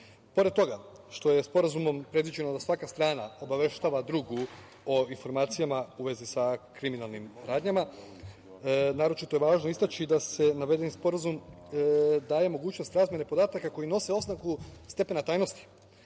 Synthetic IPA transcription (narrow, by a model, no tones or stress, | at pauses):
po̞ɾed̪̚t̪ːo̞ɡa | ʃt̪o̞je̞spo̞ɾazumo̞mpɾe̞d̪ʋid͡ʑe̞nod̪asʋakast̪ɾaːnao̞baʋe̞ʃt̪aːʋad̪ɾuːɡu | o̞info̞ɾmaːt̪sijamauʋe̞zisakɾiminalnimɾaːd̪ɲama | naːɾo̞t͡ʃit̪oeʋaːʒno̞ist̪at͡ʃid̪ase̞naʋe̞d̪e̞nispo̞ɾazum | d̪aːje̞mo̞ɡuːt͡ʃno̞st̪ɾaːzmje̞ne̞po̞d̪aːt̪akako̞jino̞se̞o̞znakust̪e̞pe̞nat̪aːjno̞st̪i̥